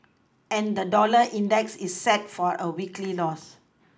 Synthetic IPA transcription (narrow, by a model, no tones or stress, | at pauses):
ɛ̃nd̪ədɔləʔĩndɛksisːɛt̚fɔɹʔəwiklilɔs